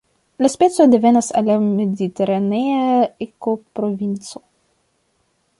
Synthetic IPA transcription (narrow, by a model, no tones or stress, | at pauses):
lɐspɛt̪sod̪evɛnɐsalʲamed̪it̪eɾaneaekopɾovʲint̪so